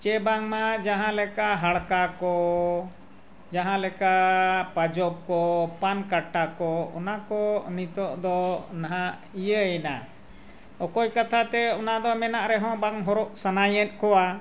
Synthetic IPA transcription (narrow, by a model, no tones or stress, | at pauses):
t͡ʃɛbaŋmad͡ʒaɦãlɛkaʔɦaɽkakɔ | d͡ʒaɦãlɛkaʔpad͡ʒɔp̚kɔpankaʈːakɔɔ̰nakɔnit̪ɔʔd̪ɔnaɦãʔ | ijəɛna | ɔkɔjkat̪ʰat̪ɛɔnad̪ɔmɛnaʔɾɛɦɔ̃baŋɦɔɾɔʔsanajɛt̪̚kɔwa